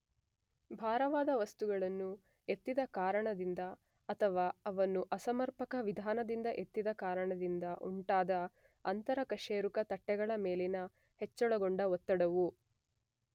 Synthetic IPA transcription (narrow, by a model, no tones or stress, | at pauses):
bʱaːɾɐʋaːd̪ɐʋɐst̪uɡɐɭɐnːu | e̞t̪ːid̪ɐkaːɾɐɳɐd̪ind̪ɐ | ɐt̪ʰɐʋaːɐʋɐnːuʔɐsɐmɐɾpɐkɐʋid̪ʱaːnɐd̪ind̪ɐʔe̞t̪ːid̪ɐkaːɾɐɳɐd̪ind̪ɐʔuɳʈaːd̪ɐ | ɐnt̪ɐɾɐkɐʂeːɾukɐt̪ɐʈːɛɡɐɭɐme̞ːlinɐ | het͡ʃːɔɭɐɡoɳɖɐɔt̪ːɐɽɐʋu